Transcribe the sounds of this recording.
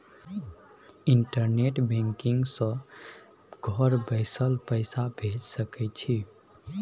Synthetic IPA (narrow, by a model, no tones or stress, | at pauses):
iɳʈəɾneʈbẽŋkiŋɡsə̃ | ɡ̥ʱɔɾbəɪsəlpəɪsabʱed͡ʒsəkɛt͡ʃʰi